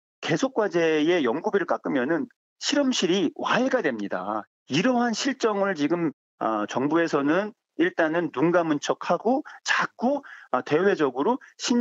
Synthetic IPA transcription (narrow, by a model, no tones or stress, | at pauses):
ke̞sʰok̚k͈wad͡ʑe̞je̞jʌŋɡubiɾɯɭk͈ak͈ɯmjʌnɯn | ɕʰiɾʌmɕʰiɾiwae̞ɡadwe̞mɲida̰ | iɾʌɦanɕʰiɭt͡ɕ͈ʌŋɯɭt͡ɕiɡɯm | ʌ̰t͡ɕʌŋbue̞sʰʌnɯn | iɭt͈anɯnːunɡamunt͡ɕʰʌk̚haɡot͡ɕak̚k͈ote̞we̞d͡ʑʌɡɯɾoɕʰin